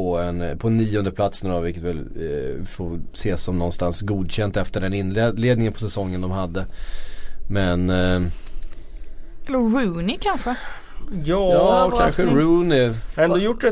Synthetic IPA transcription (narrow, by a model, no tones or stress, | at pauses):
ɔɛnpʰɔnːiːɔnd̪əpʰlat̪snæɖɔmvɪlkːət̪vɪlfoːseːsːɔmnɔnːst̪ansɡuːd̪ɕɛnt̪ɛft̪əɖɛnɪnleːd̪nɪŋənpʰɔ̥sɛsɔŋːənd̪ɔmhad̪ːə | mɛn | ɛlːəɾʉːnɪkʰanɧə | jɑːɑkkanɧəɾʉːnɪɛnd̪oɔjʊʈːɖɛ